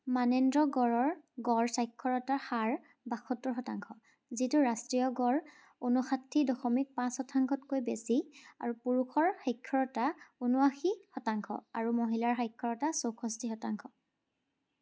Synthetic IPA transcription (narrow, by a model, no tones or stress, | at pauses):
manendɹɔɡɔɹɔɹɡɔɹsajkʰːɔɹɔtaxaɹ | baxɔtːɔɹɦɔtaŋkʰɔ | zituɹastɹijɔɡɔɹ | onɔxatʰːidɔxɔmik̚pãshɔtʰaŋkʰɔtkojbesia̰ɹupuɹuxʰɔɹxajkʰːɔɹɔtaonuaxixɔtaŋkʰɔ̰aɹumoɦilaɹxajkʰːɔɹɔtasowkʰɔstixɔtaŋkʰɔ